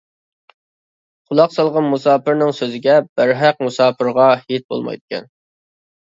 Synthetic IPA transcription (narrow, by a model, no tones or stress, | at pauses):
qʰʊlˠɑqsɑlˠʁɑnmusɑːpɨɾnɪŋsøzɪɡʲɛb̥əɾɦæq̚musɑːpʰɨɾʁɑhit̪̚bo̰lˠmɑ̰jd̪ɪkʲʰɛ̰n